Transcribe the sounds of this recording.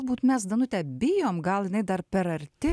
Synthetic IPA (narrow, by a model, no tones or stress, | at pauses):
lˠbuːt̪mʲɛsd̪ɐnʊt̪ʲɛbʲɪjoːmɡɐlˠjɪnɐɪd̪ɐɾpʲɛɾɐɾʲt̪ʲɪ